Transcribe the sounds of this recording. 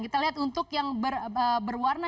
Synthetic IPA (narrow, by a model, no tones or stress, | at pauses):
kit̪aliɦat̪unt̪ʊkjaŋbərəbərwarna